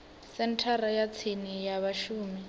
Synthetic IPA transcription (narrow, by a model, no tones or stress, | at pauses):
sɛntʰarajat͡sʰinijaβaʃuːmi